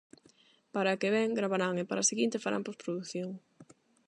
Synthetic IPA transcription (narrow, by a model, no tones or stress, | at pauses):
paɾakeβɛŋɡɾaβaɾaŋepaɾa̰seɣint̪efaɾa̰mpospɾoðuθjoŋ